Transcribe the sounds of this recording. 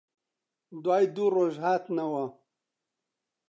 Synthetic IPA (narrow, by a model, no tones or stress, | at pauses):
d̪waːjd̪uɾoʒɦaːt̪nawa